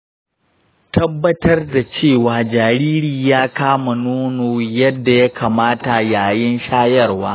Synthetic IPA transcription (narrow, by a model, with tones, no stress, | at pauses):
tɐ˦bːɐ˦tɐ˦rda˨t͡ʃeː˦˨waː˨d͡ʒaː˨ɾiː˦ɾiː˨jaː˦kaː˦ma˨noː˦noː˨jɐ˦dːa˨ja˦kʰaː˨maː˦ta˨jaː˨jɪ˦nʃaː˦jɐ˦˨rwaː˦